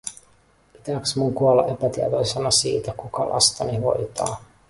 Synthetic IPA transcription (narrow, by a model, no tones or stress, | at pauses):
pit̪æksmuŋkuɑlːɑ̰ʔe̞pæt̪iɛt̪o̞jsenɑsiːt̪ækukɑlʔɑ̰st̪ɑniʋo̞̰jt̪ɑ̰ː